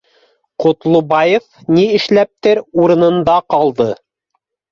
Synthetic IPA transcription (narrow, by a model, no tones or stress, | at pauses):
qŏt̪lˠubɑjefniɘ̆ʃlæp̚t̪ɘɾuɾɤ̆nɤ̆nd̪ɑqɑlˠd̪ɤ